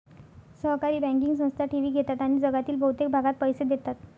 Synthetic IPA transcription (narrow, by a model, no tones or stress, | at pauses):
səɦkaɾiːbæ̃ŋk̬iŋɡs̬ə̃w̃st̪ʰaʈiʋiːɡʱet̪at̪aɽ̃iːd͡zəɡat̪iːlbəɦut̪ek̚bʱaɡat̪̚pəjsed̪et̪at̪